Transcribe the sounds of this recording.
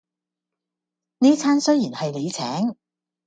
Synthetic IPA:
neː˥t͡sʰaː˥nsɵ˥jiː˨˩nhɐ˨jle˨˧jt͡sʰɛ̰ː˨˥ŋ

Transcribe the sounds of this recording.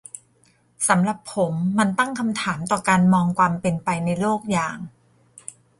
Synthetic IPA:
sa˩˦mɾa˨˩pʰːo˩˦mːa˧nt̪a˥˩ŋkʰa˧mt̪ʰaː˩˦mt̪ɔː˨˩kaː˧nmɔː˧ŋkwaː˧mpe˧npa˧jna˧jloː˥˩k̚jaː˨˩ŋ

